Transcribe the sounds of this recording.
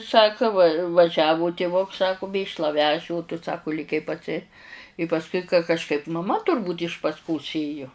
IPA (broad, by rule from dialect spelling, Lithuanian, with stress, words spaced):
ˈsɑːkɐ ʋɐ ʋɐˈʒʲæːʋʊ tʲɪˈʋʊks ˈsɑːkʊ ˈmʲeːʃlˠɐ ˈʋʲæːʒʲɪ oː tʊ ˈsɑːkʊ lʲeːˈkʲɛɪ pɐˈsʲɪ ɪ pɐsˈkʊɪ kɐ kɐʃˈkɐɪp mɐˈmɐ tʊrˈbuːtʲ ɪʃ pɐsʲˈkoːs ˈeːjʊ